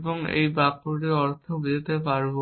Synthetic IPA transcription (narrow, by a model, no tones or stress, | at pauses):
boŋḛjbakuɖiɔɾt̪ʰokd͡ʑet̪epaɾbo